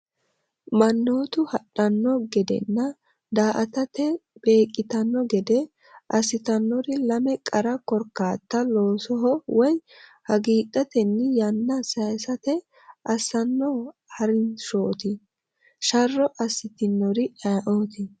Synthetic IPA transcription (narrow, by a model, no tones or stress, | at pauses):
mɐnːo̞ːt̪ʊhɐɗɐnːɔɡɛd̪ɛ̰nːɐ | d̪aːʔɐt̪ɐt̪ɛb̥e̞ːkʼːɪt̪ɐnːɔɡɛd̪ɛ | ʔɐsːɪt̪ɐnːɔɾɪlɐmɛkʼɐɾɐkɔɾkːaːt̪ːɐloːsɔɦɔwɔj | hɐɡiːdʼɐt̪ɛnːɪjɐnːɐsɐjsɐt̪ɛ | ʔɐsːɐnːɔhɐɾɪnʃoːt̪ɪ | ʃɐrːɔʔɐsːɪt̪ɪnːɔɾɪʔɐʔoːt̪ɪ